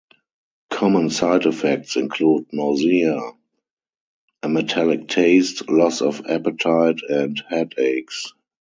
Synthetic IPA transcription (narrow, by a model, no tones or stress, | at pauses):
kʰɔmə̃nsaɪdɛfɛk̚tsɪ̃nkʰluːd̚nɔzia | ʔəmɛtʰælɪk̚tʰeɪstlɔsɔfæ̰pətʰaɪtʰɛ̃nthɛdeɪks